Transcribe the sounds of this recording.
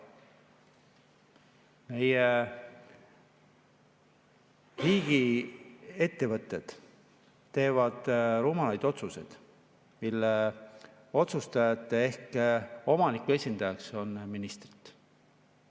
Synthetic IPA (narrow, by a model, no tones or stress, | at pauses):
me̞je | riːɡ̥i | e̞t̪ːe̞vɤt̪ːˑe̞d̪̥ː | e̞ːvɑd̪̥ruːmɑlɑjd̪̥o̞t̪suse̞̰jd̪̥ | milːe | o̞t̪sust̪ɑjɑt̪ːˑee̞hko̞mɑnikːue̞sʲind̪ɑjɑkso̞nminist̪ri̥t̪ˑ